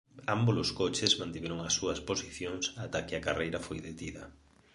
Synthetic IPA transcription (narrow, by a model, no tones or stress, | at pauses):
amboloskot͡ʃɪsmãnt̪iβeɾoŋɐsːuɐsposiθjoŋsat̪akɪakarejɾɐfojðet̪iðɐ̰